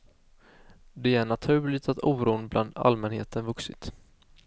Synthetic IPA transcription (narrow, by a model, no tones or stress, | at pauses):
d̪ɛæɳat̪ʰʉ̟ːɭɪɡ̚t̪at̪uːɾuːnblʔa̰nd̪a̰lmɛnhḛːt̪ənvɵksɪt̪